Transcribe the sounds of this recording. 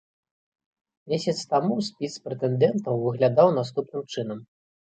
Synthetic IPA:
mʲesʲɐt̪st̪amusʲpʲispɾɛt̪ɛnd̪ɛnt̪ɐwvɨɣlʲad̪awn̪ast̪upnɨmt͡ʂɨnɐm

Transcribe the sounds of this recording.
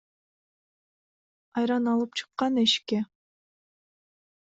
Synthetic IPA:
ɑjɾɑnɑlˠɯp̚t͡ʃʰɯ̥qːɑneʃke

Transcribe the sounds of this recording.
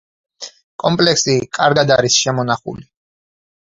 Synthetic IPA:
kʼɔmpʼlɛksikʼaɾɡad̪aɾisʃɛmɔnaχṵli

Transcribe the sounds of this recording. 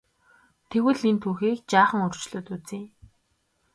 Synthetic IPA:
t̪ʰeɣwɘ̆ɮint̪ʰuːxiːkt͡ɕaːχə̆ŋɵr̥t͡ɕɮʊːt̪ut͡siː

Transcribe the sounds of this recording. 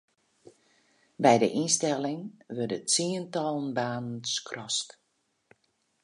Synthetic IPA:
bɛjdə̰ʔinstɛlɪŋʋødətsiəntɔlˠən̩baːnn̩skʰrɔst

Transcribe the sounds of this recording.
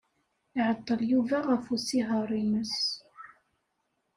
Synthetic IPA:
ɪʕət̪ˤːəljuvæʁəfusiɦɑɾˤiməs

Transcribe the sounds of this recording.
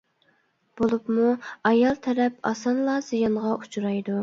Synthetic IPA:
b̥olˠupmuɑjɑlˠt̪ʰɛɾɛpɑsɑnlˠɑzijɑnʁɑʔu̥t͡ʃʰuɾɑjd̪u

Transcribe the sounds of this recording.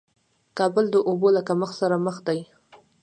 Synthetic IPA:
kɑbəld̪əʔobolakaməxsaɾaməxd̪aj

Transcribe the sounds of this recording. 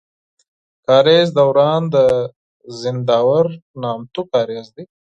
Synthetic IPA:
kɑːɾezd̪awɾɑːnd̪ə | zɪnd̪ɑːwaɾnɑːmt̪ukɑːɾezd̪i

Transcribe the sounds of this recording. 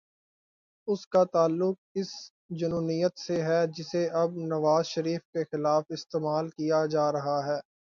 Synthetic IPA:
ʊskat̪aːlːʊk̚ɪs | d͡ʒʊnuːnijət̪seɦɛd͡ʒɪseʔɐbnɐʋaːzʃɐɾiːfkexɪlaːfɪst̪eːmaːlkijad͡ʒaːɾɐɦaɦɛː

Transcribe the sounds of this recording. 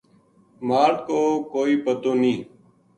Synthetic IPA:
maːɾʈkoːkoːiːpət̪oːnĩː

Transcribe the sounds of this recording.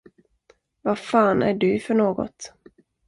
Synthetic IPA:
vafɑːnæ̰ɖɵfœɳoːɡɔ̰t̪

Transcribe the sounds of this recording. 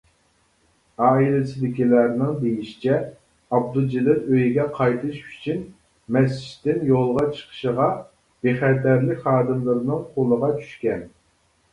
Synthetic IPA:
ɑːilɪsɪd̪ɪkʲilæɾnɨŋd̪ejiʃi̥t͡ʃʰɛ | ɑb̚d̪ud͡ʒilɪɾøjɡʲɛqʰɑjt̪ʰɨʃy̥t͡ʃʰyn | mɛs̬t͡ʃi̥ʃt̪ːɪnjolˠʁɑt͡ʃʰə̥qʰə̥ʃəʁɑ | b̥eχɛt̪æɾlɪkʲχɑːd̪ɨmlˠɨɾɨnɨŋqʰolˠəʁɑt͡ʃʰy̥ʃkʲɛn

